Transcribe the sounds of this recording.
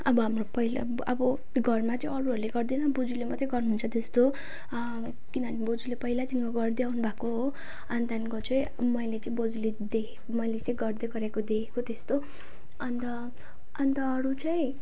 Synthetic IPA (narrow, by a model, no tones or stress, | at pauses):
ʌbʌɦamropʌil | ʌbʌ | ɡʱʌrmat͡sʌĩʌɾuɦʌɾuleɡʌrd̪enʌbud͡zulemʌt̪jeɡʌrnuɦunt͡sʰʌt̪est̪o | kinʌnibod͡zulepʌɦilat̪inkoɡʌrd̪iawnubʱakoɦo | and̪ʱankʌt͡sʰʌe | mʌjlet͡sʌĩbod͡zuled̪ekʰekomʌjlet͡sʌĩɡʌrd̪eɡʌɾjakod̪ekʰekot̪est̪o | ʌnt̪ʌ | ʌnt̪ʌːɾut͡sʌĩ